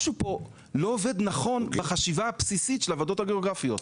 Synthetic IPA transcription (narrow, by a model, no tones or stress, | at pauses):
ʃupo̞ | loove̞d̪naχo̞nbaχaʃivaapsisitʃelavado̞thaɡeoɡʁafijo̞t̪